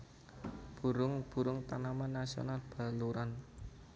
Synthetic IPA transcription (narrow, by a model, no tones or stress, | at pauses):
b̥ṳɾʊŋb̥ṳɾʊŋt̪anamanːasio̰nalb̥a̤luɾan